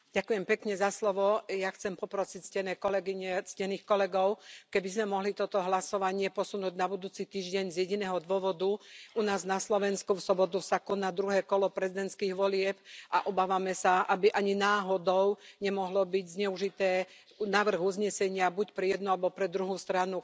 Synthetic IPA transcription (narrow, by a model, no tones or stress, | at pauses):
ɟakujɛmpɛkɲɛzaslɔʋɔjaxt͡sɛmpɔpɾɔsicscɛnɛkɔlɛɡiɲɛscɛniːxkɔlɛɡɔʊkɛbizmɛmɔɦlit̪ɔt̪ɔɦlasɔʋaɲɪɛpɔsunuːɟnabud̪uːt͡sit̪iːʒɟɛɲzjɛɟinɛːɦɔd̪ʋʊɔʋɔd̪uʔunaːznaslɔʋɛnskufsɔbɔt̪̬usakɔnad̪ɾuɦɛːkɔlɔpɾɛzid̪ɛnt̪skiːɣʋɔlɪɛpʔaʔɔbaːʋamɛsaʔabiʔaɲinaːɦɔd̪ɔʊɲɛmɔɦlɔbiɟzɲɛuʒit̪ɛː | naːʋr̩ɣuzɲɛsɛɲɪabucpɾɛjɛd̪nualɛbɔpɾɛd̪ɾuɦuːst̪ɾanu